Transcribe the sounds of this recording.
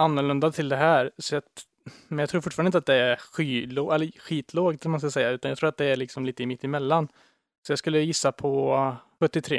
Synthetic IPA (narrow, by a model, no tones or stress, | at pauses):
anːʊɭɵnd̪at̪ʰɪld̪ɛɦæːɾsɔjɑ | mɛnjɑɡt̪ʰɾuːfʊʈːfɑɾnɪt̪at̪d̪ɛæɾɧiːloʔɛlːəɧiːt̪ʰloːɡt̪ɛlmansklsɛjːaʉ̟ːt̪anjɑɡt̪ʰɾuːɾat̪d̪ɛæɾɭɪksɔmliːt̪əɪmɪt̪ːɪmɛlːan | sɔjɑskɵlːəjɪsːapʰɔɧɵt̪ːɪt̪ʰɾḛː